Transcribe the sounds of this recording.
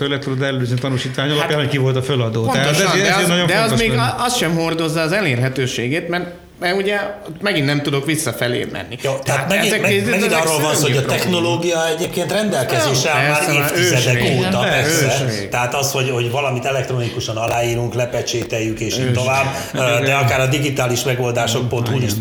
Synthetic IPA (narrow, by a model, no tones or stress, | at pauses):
ølɛt̪ːud̪od̪ɛllyzent̪ɒnuʃiːt̪ʋaːɲɒlɒpjaːnhockivo̞lt̪ɒfølɒd̪oːtoɛaʃɛd̪ɛzenɒjõd̪ɛoɒzt̪meːɡɒst̪ʃɛmho̞rd̪o̞zːɐːzɛleːrɦɛt̪øːʃeːɡeːt̪mɛr | mɛɾuɟɛt̪mɛɡinːɛmt̪ud̪o̞kʋisːɒfɛlḛːmʔɛ̰nːijot̪ɛat̪ɛiɛmeːzd̪imɛɡiizɔɛrːoːlvɔnshoɟɒɛxno̞loːɡijɒɛɟeːpkeːnt̪rɛnd̪ɛlkɛzeːʃɛɛmaːɾeːft̪øːzzɛd̪ɛkoːt̪ɒpɛøːɛt̪ɛaːt̪ɒsho̞ɟho̞ɟvɒlɒmit̪ɛlɛk̚t̪ɾonikuʃɒnɒlaːiːɾuŋklɛpɛt͡ʃeːt̪ɛjːykeːʃt̪ovaːb | d̪ɛɒkaːɾɒd̪iɡit̪aːliʃmɛɡo̞ld̪aːʃo̞k̚pont̪huːliʃt̪